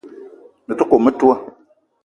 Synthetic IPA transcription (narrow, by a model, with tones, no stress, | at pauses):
nɨ˨tɔ˦ko˨mə˦tu˦a˦